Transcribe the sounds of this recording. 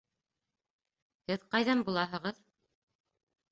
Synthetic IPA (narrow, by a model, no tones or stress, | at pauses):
hɘðqɑjðɑmbulˠɑɦɤ̆ʁɤð